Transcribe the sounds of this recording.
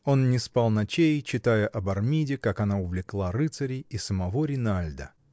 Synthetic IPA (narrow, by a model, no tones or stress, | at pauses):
o̞nnʲɪspɑlˠnɐt͡ɕejt͡ɕɪt̪ajəʔɐbɐrmʲidʲɪkakɐnaʊvlʲɪklˠaɾɨt̪səɾʲɪisəmɐvo̞ɾʲɪnalʲd̪ə